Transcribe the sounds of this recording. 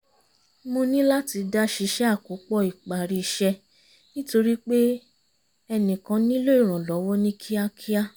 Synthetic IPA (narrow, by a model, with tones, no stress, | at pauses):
mo˧nĩ˦la˦ti˨˧da˦ʃi˧ʃɛ˦a˦˨ko˨˦k͡pɔ˦˧˨i˨k͡pa˨ɾi˧ʃɛ˧ | nĩ˦to˧ɾi˦k͡pe˦ | ɛ˧nĩ˨kã˧˦nĩ˦lo˦i˦˨ɾ̃ã˨lɔ˨˦wɔ˦nĩ˦kʰi˦a˦kʰi˦a˦